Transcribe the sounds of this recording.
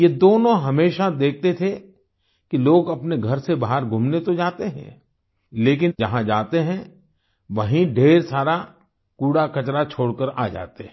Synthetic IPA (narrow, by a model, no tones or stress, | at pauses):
jed̪oːnõɦɐmeːʃad̪eːk̚ʰt̪et̪ʰe | kiloːɡɐpneɡʱɐɾsebaːɦəɾɡʱʊmnet̪od͡ʒaːt̪eɦɛ̰̃ː | leːk̬ɪnd͡ʒɐɦãd͡ʒaːt̪eɦɛ̃ | ʋɐɦĩɖʱeːɾsaːɾa | kuːɽakɐt͡ʃɾat͡ʃʰoːɽkəɾaːd͡ʒa̰ːt̪eɦ